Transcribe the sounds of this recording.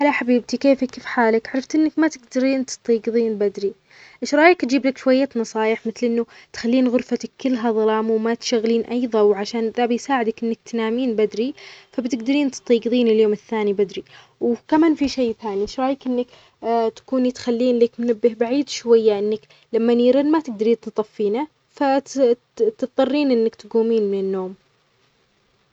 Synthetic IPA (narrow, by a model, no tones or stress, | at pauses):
ʔalaħabiːb̚t̪ikeːfikeːfħaːlɪkʕɑɾˤɑft̪ʔɪnːakmat̪ɪɡd̪aɾiːnt̪ɨ̥t̪ˤːiːɡɨðˤiːnbad̪ɾi | ʔɪʃɾˤɑːjɪkt̪d͡ʒiːblakʃwajːaːt̪nɑsˤɑːjɪħmɪθlʔɪnːut̪xalːiːnɣʊɾfat̪akːɪlːɦaðˤɑlɑːmwmat̪ʃaɣliːnʔajðˤɑwʕaʃaːnðabɪjsaːʕɪd̪akʔɪnːak̚t̪naːmiːnbad̪ɾifabt̪ɪɡd̪aɾiːnt̪t̪ˤiːɡðˤiːnɪljoːmɪθːaːnibad̪ɾi | wkamaːnfiʃejːθaːniʃɾˤɑːjakʔɪnːak | t̪ḁkuːnit̪xalːiːnleːkmʊnabːɪhbaʕiːd̪ʃwajːaʔɪnːak | lamːaniːɾɪnmat̪ɪɡ̚d̪ɑɾiːnt̪t̪ˤɑfːiːna | fa | t̪ɨft̪ˤːɑrˤːiːnʔɪnːakt̪ɡuːmiːnmɪnɪnːoːm